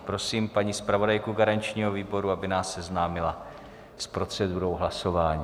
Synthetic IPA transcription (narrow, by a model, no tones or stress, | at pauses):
pɾo̞siːmpaɲiːspɾavo̞dajkuɡaɾaɲt͡ʃɲiːɦo̞viːbo̞ɾuabɪnaːsːɛznaːmɪla | spɾo̞t͡sɛduːɾo̞wɦlaso̞vaːɲiː